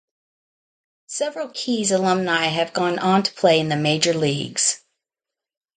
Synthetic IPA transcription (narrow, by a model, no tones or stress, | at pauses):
sɛvɹl̩ˠkʰizəlʌ̃mnaɪɨvɡɔ̃nʔə̃ntʰə̥pʰl̥eɪɨ̃nðɨmeɪd͡ʒə˞liɡz̥